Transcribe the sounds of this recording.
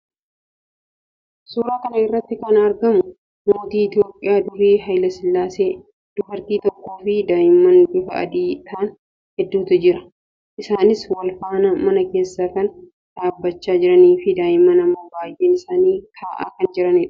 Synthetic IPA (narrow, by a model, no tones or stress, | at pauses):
suːɾaːkɐnɐɪrːɐt̪ːɪkɐnɐɾɡɐmʊ | moːt̪iːɪt̪jo̞ːpʼːɪjaːd̪ʊɾiːɦɐjlɐsɪlːaːse̞ː | d̪̥ʊbɐɾt̪iːt̪ɔkːoːfɪd̪aːjɪmːɐnɡɪfɐʔɐ̰d̪iːt̪ʰaːn | hɛd̪ːuːt̪ɐd͡ʒɪɾɐ̥ | ʔɪsaːnɪswɐlfaːnɐmɐnɐke̞ːsːaːkɐn | d̪̥aːbːɐt͡ʃːaːd͡ʒɪɾɐniːfɪd̪aːjɪmːɐnɐmːɐbaːjʔeːnɪsaːniːt̪ʰaːʔa̰ːkɐnd͡ʒɪɾɐnɪᶑɐ̥